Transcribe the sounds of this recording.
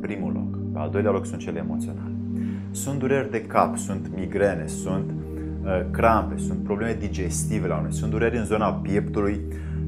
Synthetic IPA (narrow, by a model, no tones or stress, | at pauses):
pɾimṵlo̞̰k | pea̰ld̪o̞jlealo̞ksunt̪̚t͡ʃeleːmo̞t̪sio̞̰na̰le | sunt̪d̪uɾerʲd̪e̞kapsunt̪miɡɾe̞ne̞sunt̪ | əkɾampe̞sunt̪̚pɾobleme̞d̪id͡ʒe̞st̪ive̞launujsund̪uɾeɾʲɨnzo̞napje̞pt̪uluj